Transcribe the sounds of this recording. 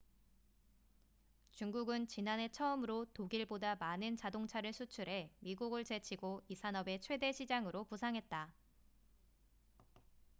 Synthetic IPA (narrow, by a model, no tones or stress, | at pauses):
t͡ɕuŋɡuɡɯnt͡ɕinane̞t͡ɕʰʌɯmɯɾotoɡiɭbodamanɯnt͡ɕadoŋt͡ɕʰaɾɯɭsʰut͡ɕʰuɾe̞miɡuɡɯɭt͡ɕe̞t͡ɕʰiɡoisʰanʌbe̞t͡ɕʰwe̞de̞ɕʰid͡ʑaŋɯɾopusʰaŋɦe̞t̚t͈a